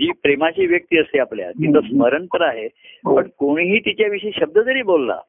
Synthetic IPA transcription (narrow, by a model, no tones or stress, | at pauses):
d͡ʑiːpɾemat͡ɕiːʋjək̚t̪iːəseaplja̰kit̪əsməɾənt̪əɾaɦe | pəɳkoɽ̃ɦiːt̪it͡ɕjaʋiʂəiːɕəb̚d̪ət̪əɾiːbolːa̰